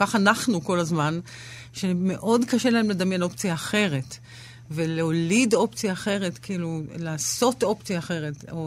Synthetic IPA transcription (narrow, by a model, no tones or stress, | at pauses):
kaχanaχnuko̞lazman | ʃeme̞ʔo̞dkaʃe̞laemle̞dɐmjeno̞pt͡sijaːχe̞ʁe̞t | ve̞leolido̞pt͡sijaːχe̞ʁe̞tkiilulaːso̞to̞pt͡sijaːχe̞ʁe̞to